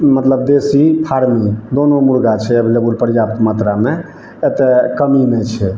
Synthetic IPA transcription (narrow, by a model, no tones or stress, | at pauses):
mət̪ləb̚d̪esipʰaɾmid̪onomuɾɡat͡ʃʰɛəbʱilebulpəɾjapt̪mat̪ɾame | et̪ɛkəmimet͡ʃʰɛ